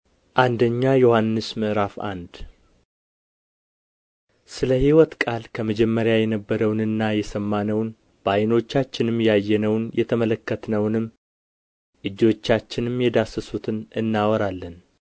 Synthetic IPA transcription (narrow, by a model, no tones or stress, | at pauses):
ʔand̪əɲːajohanːɨsmɨʔɾafa̰nd̪ | sɨləhiwɔt̪kʼalkʰəməd͡ʒɛmːəɾjajɛnəbːəɾəwnɨnːajɛsəmːanəwn | b̥ajno̞t͡ʃːat͡ʃːɪnɨmjɛajːɛnəwnjɛt̪ʰəmələkːət̪ʰnəwnɨmː | ʔɨd͡ʒːo̞t͡ʃːat͡ʃːɪnɨmjɛd̪asəsut̪ʰɨnɨnːawɔɾalːən